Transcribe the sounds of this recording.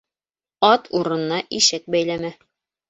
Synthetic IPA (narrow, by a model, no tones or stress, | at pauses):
ɑt̪ʰuɾɤ̆nnɑʔiʃɘk̚bæjlæmæ